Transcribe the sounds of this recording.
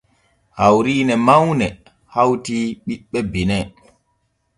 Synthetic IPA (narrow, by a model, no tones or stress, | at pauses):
hawɾiːnɛmawnɛ | hawtiɓiɓːɛbinɛ